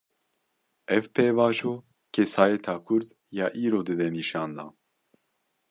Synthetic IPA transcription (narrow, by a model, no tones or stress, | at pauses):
ɛvpʰeːvɑːʒoː | kʰɛsaːjɛt̪ʰɑːkʰʊɾd̪ | jɑːʔiːɾoːd̪ɨd̪ɛniːʃɑːnd̪ɑ̰ː